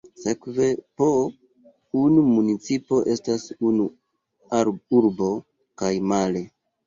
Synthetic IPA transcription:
sekve̞po | unumunit͡sipo̞ʔe̞stasunu | aɾuɾbo̞ | kajmale̞

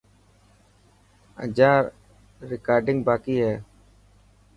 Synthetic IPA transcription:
ə̰d͡ʒaːɾː | ɪkaːɾɖɪ̃ŋɡbaːkiːɦɛː

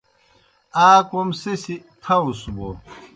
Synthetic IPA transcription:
aːkomsesit̪ʰɐusubo

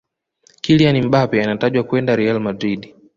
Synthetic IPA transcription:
kilianim̩ɓapɛanataʄwakuɛndaɾɛalmadɾiɗi

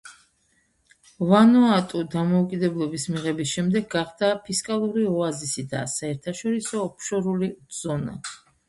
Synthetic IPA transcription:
vanɔat̪ʼud̪amɔukʼid̪ɛblˠɔbismiʁɛbisʃɛmd̪ɛɡɡaχd̪apʰiskʼalˠuɾiɔazisid̪a̰saɛɾt̪ʰaʃɔɾisɔːpʰʃɔɾuliz̥ɔna̰

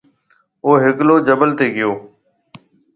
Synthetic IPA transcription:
oːɦɪkloːd͡ʒəbəlt̪eːɡɪjoː

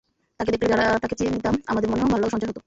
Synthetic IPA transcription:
t̪aked̪ekʈɾid͡ʑaɾat̪aket͡ɕint̪amamad̪eɾmoneɦonbʱalaoʃɔ̃nt͡ɕaɾɦot̪o

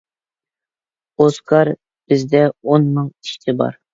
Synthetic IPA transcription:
oskʰɑɾ | b̥ɪzd̪ɛonmɨŋɪ̥ʃt̪ʰɪbɑ̰ɾ

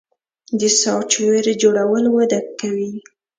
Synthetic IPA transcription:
d̪əsɑwt͡ʃweɾed͡ʒoɽawəlwad̪akːawi

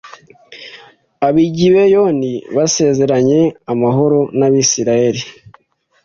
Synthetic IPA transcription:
aβiɟiβejo̞niβase̞ːze̞ɾaɲe̞amaɦo̞ɾo̞naβisiɾaje̞ɾi

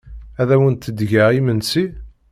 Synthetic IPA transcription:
æðæwənt̪ːəd̪ʝaʁimənsi

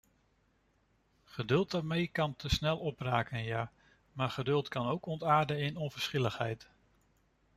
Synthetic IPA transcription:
χədɵlˠt̚daːɹmejkɑntʰəsnɛlˠɔpraːkənjaː | maːɹχədɵlˠtkɑnowkɔntaːɹdəɪnɔnvəɹsχɪləχɦɛ̰jt

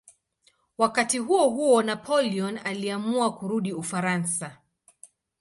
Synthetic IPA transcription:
wakatiɦuɔɦuɔnapʰɔliɔnaliamuakuɾuɗiufaɾansa

